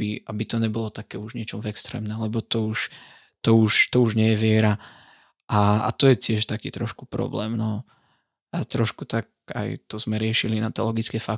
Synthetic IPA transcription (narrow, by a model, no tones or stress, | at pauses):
iabit̪ɔɲɛbɔlɔt̪akɛːuʒɲɪɛt͡ʃɔmvɛkst̪ɾɛ̰ːmnɛmlɛbɔt̪ɔuʃ | t̪ɔuʃt̪ɔuʒɲɪɛjɛʋɪɛɾa | ʔaa̰t̪ɔjɛtɪɛʃt̪akiːt̪ɾɔʃku̥pɾɔ̰blɛ̰ːmnɔ | at̪ɾɔʃkut̪ak̚a̰jt̪ɔzmɛɾɪɛʃilinat̪ɛ̰lɔɡit͡skɛfa